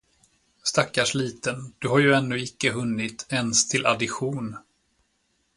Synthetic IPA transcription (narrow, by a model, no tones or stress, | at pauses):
st̪akːaʂɭiːt̪ənd̪̥ɵɦaɾjɵɛnːʉːɪkːəɦɵnːɪt̪ʰɛnst̪ʰɪlʔa̰d̪ɪɧuːn